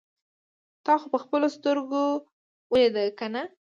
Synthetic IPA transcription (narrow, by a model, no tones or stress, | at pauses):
t̪ɑxopəxpəlost̪əɾɡo | wəjed̪akana